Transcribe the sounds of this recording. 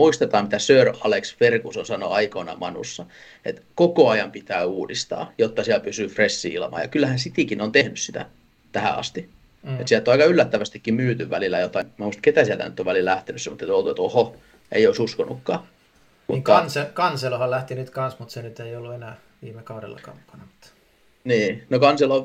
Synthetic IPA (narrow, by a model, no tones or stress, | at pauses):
muist̪ɑt̪ɑːmmit̪æsøːrɑleksferkusonsɑnoɑikonɑ̰mɑnṵsːɑ | ḛt̪kokoɑjɑmpit̪æːuːdist̪ɑ̰ːjot̪ːɑsiælpysyːfresːḭːilmɑ̰ːjɑ̰kylːæhænsit̪ikinont̪ehnyssit̪æ̰ | t̪æhæ̰ɑ̰st̪i | et̪siælt̪ːoɑikɑylːæt̪ːæʋæst̪ikːimmyːt̪yʋʋælilːˑæjot̪ɑimæhuist̪ket̪æsiælt̪æ̰nyt̪ːoʋælillæht̪enysemːot̪ːet̪olt̪uet̪oho | ḛioisuskonːukːɑː | mṵkɑnsekɑnselohɑllæht̪inyt̪kɑnsmut̪senyt̪eiolːuenæː | ʋiːmekɑurḛlːɑ̰kɑ̰ːmukːɑnɑmut̪ː | niːnokɑnselo